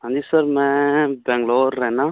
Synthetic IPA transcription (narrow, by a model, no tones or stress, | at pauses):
ɐnd̪isɐɾmɛ̃bɛ̃ŋɡloːɾːɛna